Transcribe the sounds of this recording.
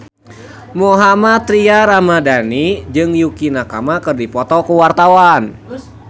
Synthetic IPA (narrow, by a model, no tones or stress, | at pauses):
mɔɦamat̪ɾiaɾamadanid͡ʒɨŋjukinakamakɨrdipɔt̪ɔkuwart̪awan